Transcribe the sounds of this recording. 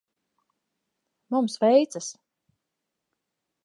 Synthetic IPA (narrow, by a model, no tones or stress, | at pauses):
mumsvɛjt̪sas